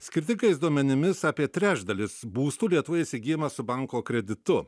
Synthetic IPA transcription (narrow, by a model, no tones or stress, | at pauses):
sʲkʲɪɾʲt̪ʲɪŋkɐɪsd̪uɔmʲɛnʲɪmʲɪsɑːpʲiɛt̪ʲɾʲæːʒd̪ɐlʲɪsbuːst̪uːlʲiɛt̪ʊʋɐɪsʲɪɡʲɪːjmɐsʊbɐŋkoːkɾʲɛd̪ʲɪt̪ʊ